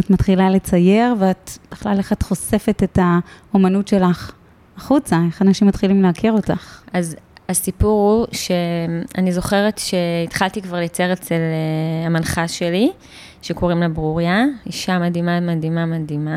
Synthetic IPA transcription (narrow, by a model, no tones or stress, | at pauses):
atmat̪χilale̞t͡saje̞ʁveatb̥eχlaleχat̪χo̞se̞fetetao̞manutʃe̞laχ | aχut͡sae̞χanaʃimatχilimleakiʁo̞taχazasipuʁhuʃe̞a̰nizo̞χe̞ʁetʃe̞itχaltikvaʁljat͡se̞ʁet͡seleamanχaʃe̞li | ʃe̞ko̞ʁimlebʁuʁjaiʃamadimamadimamadima